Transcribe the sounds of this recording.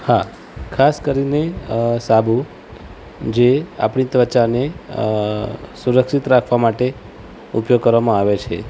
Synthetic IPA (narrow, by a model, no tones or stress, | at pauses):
ha | kʰaskəɾinesabʱu | d͡ʒea̰pɳit̪ʋət͡ʃane | suɾəkʃit̪ɾakʰʋamaʈe | upjoɡ̚kəɾʋamãaʋet͡ʃʰḛ